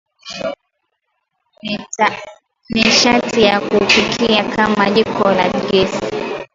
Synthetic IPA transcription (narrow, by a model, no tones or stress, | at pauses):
miʃatijakufikʰiakʰamaʄikʰɔla̰nɡɛsi